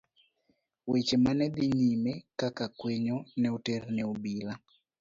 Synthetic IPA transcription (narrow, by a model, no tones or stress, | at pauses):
wet͡ʃemanɛd̪iɲimekakakweɲonɛoternɛobila